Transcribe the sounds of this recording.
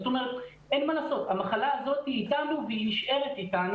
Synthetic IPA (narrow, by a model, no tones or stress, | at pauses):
zot̪o̞me̞ʁet̪ | enmalaːso̞t̪hamaχalaːzo̞t̪hiːtanuvehiniʃʔe̞ʁet̪it̪an